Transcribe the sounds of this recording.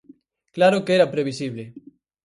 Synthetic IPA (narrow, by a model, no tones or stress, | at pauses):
klaɾokeeɾapɾeβ̞isiβ̞le